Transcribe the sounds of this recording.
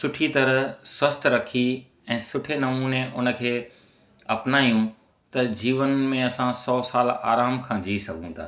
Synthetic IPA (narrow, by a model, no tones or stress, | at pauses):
sʊʈʰit̪ɐɾəɦswɐst̪ʰɾɐkʰi | ɛ̃ːsʊʈʰenɐmuːneʔʊnə̆kʰeː | ɐpnaːijũ | t̪ɐd͡ʑiːʋənmẽɐsãsɔːsaːla̰ːɾaːmkʰãːd͡ʑiːsɐɡʱũd̪a̰ː